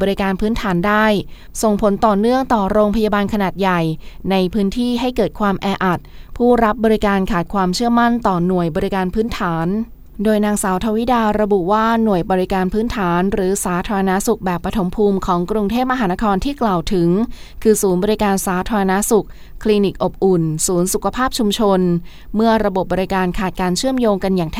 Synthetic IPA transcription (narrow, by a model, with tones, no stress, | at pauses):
ɔ˧ɾi˦˥kaː˧npʰɯː˦˥nt̪ʰaː˩˦ndaː˥˩j | so˨˩ŋpʰo˩˦nt̪ɔː˨˩nɯ˥˩əŋt̪ɔː˨˩ɾoː˧ŋpʰa˧jaː˧baː˧nkʰa˧naː˨˩t̪̚ja˨˩jna˧jpʰɯː˦˥nt̪ʰiː˥˩ɦa˥˩jkɤː˨˩t̪̚kʰwaː˧mʔɛː˧ʔa˨˩t̪̚pʰuː˥˩ɾa˦˥p̚bɔː˧ɾi˦˥kaː˧nkʰaː˨˩t̪̚kʰwaː˧mt͡ɕʰɯ˥˩əma˥˩nt̪ɔː˨˩nu˨˩əjbɔː˧ɾi˦˥kaː˧npʰɯː˦˥nt̪ʰaː˩˦n | doː˧jnaː˧ŋsaː˩˦wt̪ʰa˧wi˦˥daː˧ɾa˧bu˨˩waː˥˩nu˨˩əjbɔː˧ɾi˦˥kaː˧npʰɯː˦˥nt̪ʰaː˩˦nɾɯː˩˦saː˩˦t̪ʰaː˧ɾa˧na˦˥su˨˩k̚bɛː˨˩pːɾa˧t̪ʰo˩˦mpʰuː˧mkʰɔː˩˦ŋkɾu˧ŋt̪ʰeː˥˩p̚ma˧ɦaː˩˦na˦˥kʰɔː˧nt̪ʰiː˥˩klaː˨˩wt̪ʰɯ˩˦ŋ | kʰɯː˧suː˩˦nbɔː˧ɾi˦˥kaː˧nsaː˩˦t̪ʰaː˧ɾa˧na˦˥su˨˩k̚ | kʰːliː˧ni˨˩k̚ʔo˨˩p̚ʔu˨˩nsuː˩˦nsu˨˩kʰa˧pʰaː˥˩p̚t͡ɕʰu˧mt͡ɕʰo˧n | mɯ˥˩ɐɾa˧bo˨˩p̚bɔː˧ɾi˦˥kaː˧nkʰaː˨˩t̪̚kaː˧nt͡ɕʰɯ˥˩əmjoː˧ŋka˧njaː˨˩ŋt̪ʰ